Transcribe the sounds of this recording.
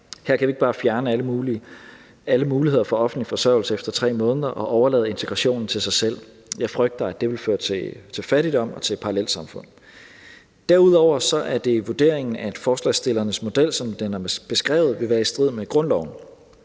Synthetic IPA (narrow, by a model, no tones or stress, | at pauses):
hæɐ̰kʰæʋieɡ̥̚b̥ɑ̈ːfjæɐnəæləmuːi | æləmuːlihe̝ð̞̰ˠɐfɒ̽ɒ̽fn̩d̥lifɒ̽sɶɐʊl̩səefd̥ɐt͡sʰʁɛ̰ːmɔ̽ːnəðˠɐʔɒ̽ʔɒʊɐlɛ̰ːðˠe̝nt͡sʰe̝ɡ̥ʁɑɕo̝̰ːnn̩t͡sʰe̝lsɑ̈ɪsel̰ | jɑ̈ɪfʁœɡ̥̚d̥ɐæd̥e̝ʋe̝lføːɐt͡sʰe̝t͡sʰe̝lfæɾid̥ɒ̽m̰ɒ̽t͡sʰe̝lpʰɑ̈ɑlel̰sɑ̈mfɔ̽n̰ | d̥æɐuð̞̰ˠɒʊ̰ɐsɒ̽ʔæɐd̥e̝ʋud̥e̝ɐ̰eŋn̩æe̝d̥fɒːslɛsd̥e̝lɐnəsmo̝d̥el̰sɒ̽md̥enæɐb̥e̝sɡ̥ʁɛ̰ːʊð̩ˠʋe̝ʋæːɐisd̥ʁið̰ˠmeɡ̥ʁɔ̽nlɒʊn̩